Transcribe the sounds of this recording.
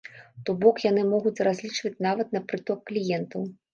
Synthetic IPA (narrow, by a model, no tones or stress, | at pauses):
t̪ɔbɔkjanɨmɔɣut͡sʲrazʲlʲit͡ʂvɐt͡sʲnavɐt̪nɐpɾɨt̪ɔkːlʲijɛnt̪ɐw